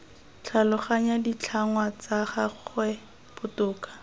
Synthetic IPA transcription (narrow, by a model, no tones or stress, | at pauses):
t͡ɬʰalʊχaɲadit͡ɬʰaŋwat͡saχaχwɛ | pʊtʊːkḁ